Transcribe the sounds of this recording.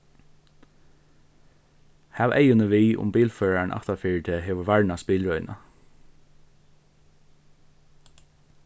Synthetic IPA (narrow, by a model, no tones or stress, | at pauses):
hæʋɛ̰ɪjʊnəʋiːʔʊ̰mbiːlføːɹaɳʔɑ̰ht̪afiːɹt̪ʰeːɦeːʋəɹʋaɹɳaspiːlɹɔʏnʔa̰